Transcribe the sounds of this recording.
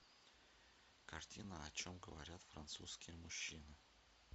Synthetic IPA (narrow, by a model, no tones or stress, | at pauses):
kɐrtʲinəɐt͡ɕomɡəvɐ̰ɾʲat̪fɾɐ̰nt̪suskʲɪjəmʊɕːinɨ